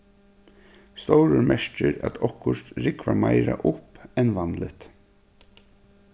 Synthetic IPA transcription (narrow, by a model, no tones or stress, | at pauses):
st̪ɔwɾʊɾmɛʂt͡ʃɪɾæ̰t̪ʰɔhkːʊʂt̪ɾɪkʋamajɾaʔʊhpɛnʋanlɪt̪